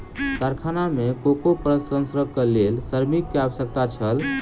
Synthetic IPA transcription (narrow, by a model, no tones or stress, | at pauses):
kaɾkʰanamekokopɾəsə̃nsɾəkelelsəɾmikːeabəsjək̚t̪at͡ʃʰəl